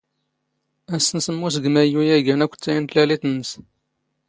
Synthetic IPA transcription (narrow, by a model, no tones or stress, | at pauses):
æsːənsəmːus̬ɡmæjujæʝænækʷːt͡sːæjənt̪lælit̪ənːəs